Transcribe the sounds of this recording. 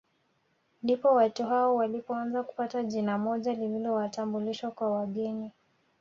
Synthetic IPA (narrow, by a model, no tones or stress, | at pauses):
ndipɔwatuɦaɔwalipɔanzaku̥pataʄinamɔʄalililɔwatambuliʃwakwawaɠɛni